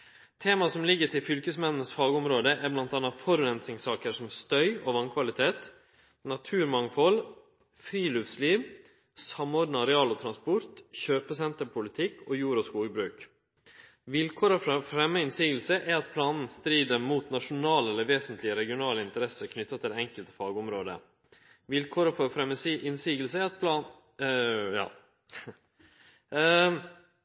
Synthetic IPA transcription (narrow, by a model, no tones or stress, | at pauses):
t̪ʰeːmɑsɔmlɪɡːəʈʰɪlfʏlkəsmɛnnəsfɑːɡɔmɾoːd̪əʔæblɑnt̪ɑːnːɑfɔɾʉɾɛnt̪sɪŋsɑːkəʂɔmst̪œʏoːʋɑŋkʰʋɑlɪt̪ʰeːt̪ | nɑt̪ʰʉːɾmɑŋfɔl | fɾiːløʋsliːʋ | sɑmɔɖnɑɾɛɑːlɔt̪ʰɾɑnspɔɾt̪çøːpəsɛnt̪əpʰʊlɪt̪ʰɪkʰːojuːɾʊskuːɡəbɾʉːk | ʋɪlkʰɔːɾɑfɾɛmːəɪnsiːɡəlsəʔæɾɑt̪̚pʰlɑːnn̩st̪ɾiːd̪əmuːt̪nɑʂʊnɑːləɛlːəʋeːsənt̪ʰlɪəɾɛɡɪʊnɑːləɪnt̪əɾɛsəɾkʰnʏt̪ːɑt̪ʰɪlɛŋkəlt̪əfɑːɡʊmɾoːd̪ə̰ | ʋɪlkʰɔːɾəfɔɾfɾɛməsɪnsiːɡəlsəɛɾɑt̪̚pʰlɑːn | jɑ̰ː